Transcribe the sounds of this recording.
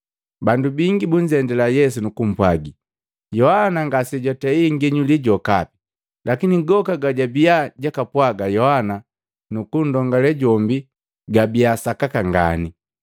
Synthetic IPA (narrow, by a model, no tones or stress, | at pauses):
bandubiŋɡibuɲ̩d͡ʒɛndɛlajɛsunukum̩pwaɡi | jɔhanaŋɡasɛɟɔtɛiŋɡɛɲuliɟɔkapi̥ | lakiniɡɔkaɡaɟabiaɟakapwaɡajɔhana | nukun̩dɔŋɡalɛɟɔmbi | ɡabiasakakaŋɡa̰ni